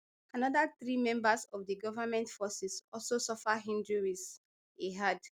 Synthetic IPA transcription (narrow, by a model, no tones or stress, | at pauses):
anɔdaθɹimɛ̃mbasɔvdiɡɔvamɛ̃ntfɔsisɔlsosɔfaɦĩndɹuɹis | eɦad